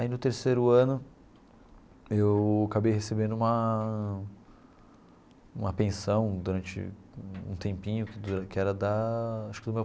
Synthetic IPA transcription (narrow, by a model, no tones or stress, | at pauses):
ainʊt̪eɾsejɾʊɐ̃nʊ | ewakabejɦesebẽnd̪ʊũmɐ | ũmɐpẽsɐ̃w̃d̪uɾɐ̃nt͡ʃɪ̰ũt̪ẽmpĩɲʊkɪd̪ɾkɪɛɾɐd̪ɐaʃʊ̥kɪd̪ʊme